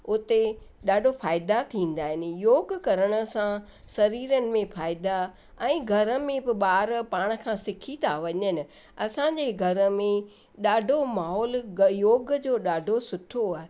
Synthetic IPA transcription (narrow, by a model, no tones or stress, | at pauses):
ʊt̪e | ɗaːɖʱofaːɪd̪at̪ʰĩːn̆d̪aːɦɪnɪ̆joːɡkɐɾəɽ̃ə̆sã | sɐɾiːɾənɪ̆mẽfaːɪd̪a | ɛ̃ːɡʱɐɾəmẽbɪɓaːɾpaːɽ̃̆kʰãsɪkʰit̪ʰaʋɐɲənɪ̆ɐsãːɲd͡ʑeɡʱɐɾəmẽ | ɗaːɖʱomaːɦɔːljoːɡd͡ʑoːɗaːɖʱosʊʈʰoaːɦe